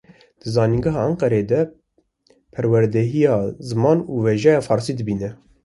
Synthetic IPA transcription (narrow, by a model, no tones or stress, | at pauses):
d̪̥ɨzɑːniŋɡɨɦɑɑŋqɛɾeːd̪ɛ | pʰɛɾwɛɾd̪ɛɦijɑːzɨmɑːnuːveʒɛjɑːfɑːɾsiːd̪ɨbiːnɛ